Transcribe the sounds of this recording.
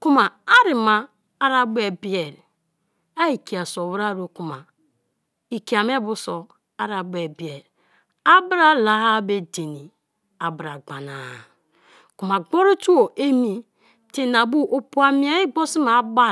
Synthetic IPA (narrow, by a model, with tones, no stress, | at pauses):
ku˦ma˨a˦ɾi˨maː˨˦ | ɾa˦˨be˨bi˦e˨ɾ | a˦i˨ki˨a˨so˨wu˦ɾa˦˨ɾo˨ku˨ma˨ | i˨ki˨a˨m˦e˦bu˦so˨ | a˦ɾa˨be˨bi˨e˨ɾ | a˦bɾa˦la˨ha˦be˦˨de˨ni˨ | a˨bɾa˨ɡ͡ba˨na˨ | ku˨ma˨ɡ͡bo˦ɾo˦tu˦o˨ʔe˦mi˨ | te˦na˨bu˦ʔo˨pu˦a˨mi˦a˦i˦ɡ͡bo˦si˦ma˨˦ba˦